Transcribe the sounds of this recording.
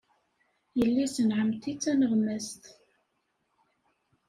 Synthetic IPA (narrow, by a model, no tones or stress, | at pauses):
jəlːisənʕəmt̪it͡sːænəʁmæst̪